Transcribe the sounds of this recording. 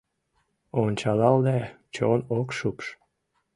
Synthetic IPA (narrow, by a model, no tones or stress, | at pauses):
onʲt͡ɕɑlɑld̪æ | t͡ɕonokʃupʃ